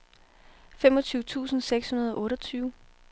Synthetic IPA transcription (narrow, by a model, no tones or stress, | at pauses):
femɒ̽t͡sʰyːʊt͡sʰṵːsn̩seɡ̥shunɐð̞ˠɒ̽ʔɔ̽ːɾɒt͡sʰyːʊ